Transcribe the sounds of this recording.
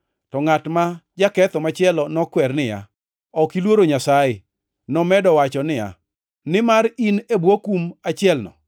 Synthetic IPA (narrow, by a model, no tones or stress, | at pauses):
tɔŋatmad͡ʒakɛt̪ɔmat͡ʃɪɛlɔnɔkwɛrnɪja̰ | ɔkilwoɾoɲasajɪ | nɔmɛdɔwat͡ʃɔnɪja̰ | nɪmaɾinebwokumat͡ʃɪɛlnɔ̰